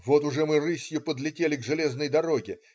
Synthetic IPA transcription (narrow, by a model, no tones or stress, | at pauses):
vo̞t̪ʊʐɛmɨrɨsʲjʊpəd̪lʲɪtʲelʲɪɡʐɨlʲe̞znəjd̪ɐɾo̞ɡʲɪ